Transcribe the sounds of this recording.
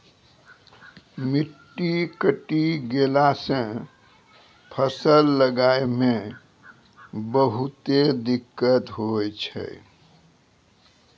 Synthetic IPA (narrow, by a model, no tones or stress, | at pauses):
miʈːikəʈiɡelasə̃ | pʰəsəlːəɡaeme | bəɦut̪ed̪ikːət̪ɦojt͡ʃʰə̰